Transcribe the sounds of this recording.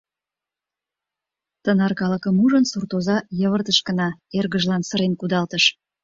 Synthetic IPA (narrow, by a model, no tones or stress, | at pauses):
t̪ənɑrkɑləkəmuʒənsurt̪ozɑjəβərt̪əʃkənɑerɣəʒlɑnsəɾenkud̪ɑlt̪əʃ